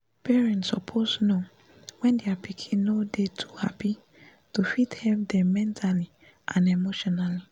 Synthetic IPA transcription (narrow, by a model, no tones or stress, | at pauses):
pɛɹɛ̃ntsɔpʰosno | wɛ̃ndeapikʰĩnnːodetʰuhapi | tufithɛlp̚dɛ̃mːɛ̃ntʰali | ʔãnemoʃɔnali